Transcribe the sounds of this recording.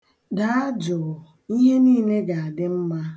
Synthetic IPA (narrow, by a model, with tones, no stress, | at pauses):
da˨˦a˦d͡ʒʊ˨ | i˦ɦe˦niː˦˨le˦ɡa˨a˨dɪ˦m̩˦ma˦